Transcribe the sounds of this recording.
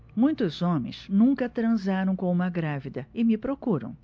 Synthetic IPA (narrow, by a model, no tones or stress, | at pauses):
mũj̃t̪ʊzõmḛ̃j̃znũŋkɐt̪ɾɐ̃zaɾɐ̃w̃kõũmɐɡɾavid̪ɐɪmɪpɾokuɾɐ̰̃w̃